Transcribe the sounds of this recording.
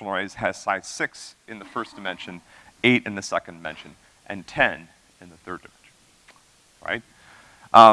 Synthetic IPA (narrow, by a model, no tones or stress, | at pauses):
l̩ɹeɪz̥ɨz̥saɪtsɪksɨ̃nðɨfɜ˞sd̥ɨmɛ̃nʃɨ̃neɪɾɨ̃nðɨsɛkɨ̃nmɛ̰̃nʃɨ̃n | ʔɨ̃ntʰɛ̃n | ɨ̃nðɨθɜ˞dɨmɛ̃nʃn | ɹa̰ɪt̚ | ʔ